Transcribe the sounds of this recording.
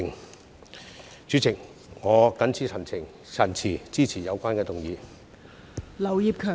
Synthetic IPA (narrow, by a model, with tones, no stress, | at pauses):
ŋ | t͡ʃyː˨˥t͡sʰɪ˨˩ŋ | ŋɔː˨˧kɐ˨˥nt͡sʰiː˨˥sʰɐ˨˩nt͡sʰɪ˨˩ŋ | t͡sʰɐ˨˩nt͡sʰiː˨˩t͡siː˥t͡sʰiː˨˩jɐ˨˧wkʷaː˥nkɛː˧t̪ʊ˨˩ŋjiː˨˧ | lɐ˨˩wjiː˨p̚kʰœː˨